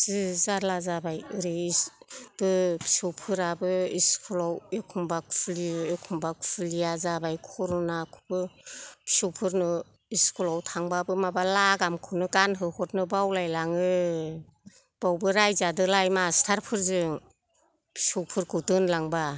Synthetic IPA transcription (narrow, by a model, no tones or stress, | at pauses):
z̥ɯzaɾlazabajɯɾi | b̥ɯbʰi̥sɔwpʰɯɾabɯiskʰɔlawekʰumbakʰpʰliekʰumbakʰpʰulijazabajkʰɔɾɔnakʰu̥bɯpʰi̥sɔwpʰɯɾnɯ | iskʰɔlawtʰaŋbabɯmabalaɡamkʰɯnɯɡanɦɯhɔtnɯbawlajlaŋɯ | b̥awbɯɾajzadɯlajmastʰaɾpʰɯɾzɯŋ | pʰi̥sɔwpʰɯɾkʰɯdɯnlaŋba